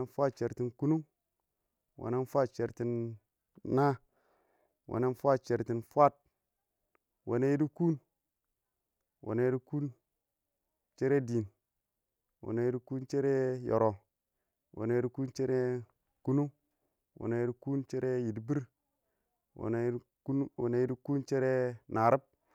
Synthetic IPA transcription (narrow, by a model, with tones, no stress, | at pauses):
e˦nfʷa˦t̚t͡ʃe˨ɾti˨nku˦nu˦ŋ | wo̰˨ne˦n˦fʷa˦t̚t͡ʃe˨ɾti˨nː | a˦ | wʔo̰˨ne˦nfʷa˦t̚t͡ʃe˨ɾti˨nfʷa˦t̚ | wʔo̰˨ne˦ji˦di˦ku˦n | wʔo̰˨ne˨˦ji˦i˦ku˦n | t͡ʃe˦ɾe˦di˨n | wo̰˨ne˦ji˦di˦ku˦nt͡ʃe˦ɾe˦jo̰˨ɾo˨ | wo̰˨ne˦ji˦di˦ku˦nt͡ʃe˦ɾe˦ | ku˦nu˦ | wʔo̰˨ne˨˦ji˦di˦ku˦nt͡ʃe˦ɾe˦ji˨dbi˦ɾ | wo̰˨˦ | wo˨ne˦ji˦di˦ku˦nt͡ʃe˦ɾe˦nʔa˨ɾi˦p̚